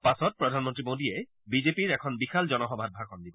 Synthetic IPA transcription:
pasɔt̚pɹɔdʱanmɔntɹimodiɛ | bizepiɹɛkʰɔnbixʰalzɔnɔxɔbʱad̚bʱakɔndibɔ

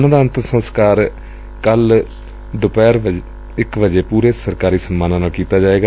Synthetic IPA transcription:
nãːd̪aːənt̪əɾsə̃nskaːɾ | kəl | d̪ʊpɛːɾə | ɪkʋəd͡ʒeːpuːɾeːsəɾkaːɾiːsənmaːnãːnaːlkiːt̪aːd͡ʒaːeːɡaː

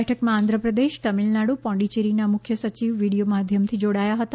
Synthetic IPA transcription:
ɛʈʰəkmããnd̪ʱɾəpɾəd̪eʃt̪əmilnaɽupɔ̃ɳɖit͡ʃeɾinamʊkʰjəsət͡ʃiʋːiɽijomad̪ʱjəmt̪ʰid͡ʒoɽajaɦət̪a

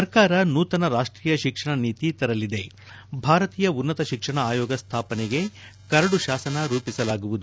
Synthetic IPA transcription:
ɐɾkaːɾɐnuːt̪ɐnɐɾaːʂʈɾiːjɐʃikʂɐɳɐniːt̪it̪ɐɾɐlid̪e̞ | bʱaːɾɐt̪iːjɐunːɐt̪ɐʃikʂɐɳɐaːjɔːɡɐst̪ʰaːpɐneɡe̞kɐɾɐɽuʃaːsɐnɐɾuːpisɐlaːɡuʋud̪u

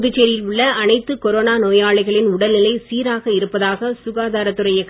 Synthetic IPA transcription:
ðɪt͡ʃːeɾjɪlʊɭːɐɐnɐɪt̪ːɯkɔɾoːnaːnoːjaːɭɐɪɣɐɭɪnʊɽɐlnɪlɐɪsiːɾaːɣɐɪɾɯpːɐðaːɣɐsʊɣaːðaːɾɐt̪ːɯɾɐjɐɪkː

